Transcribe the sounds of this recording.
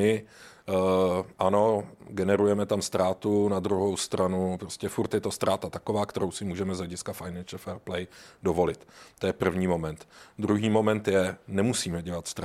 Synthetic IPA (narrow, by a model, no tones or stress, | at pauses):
ɪ | ʔano̞ɡɛnɛɾujɛmɛt̪amst̪ɾaːt̪unad̪ɾuɦo̞wst̪ɾʔanupɾoscɛfuɾt̪jɛt̪o̞st̪ɾaːt̪at̪akovaːkt̪ɛɾo̞wsɪmuːʒɛmɛzlɛɟɪskafajnɛnʃl̩fɛːɾplɛjdovo̞lɪt̪t̪ːojɛpr̩vɲiːmo̞mɛnt̪d̪ɾuɦiːmo̞mɛnt̪jɛnɛmusiːmɛɟɛlat̪st̪ɾa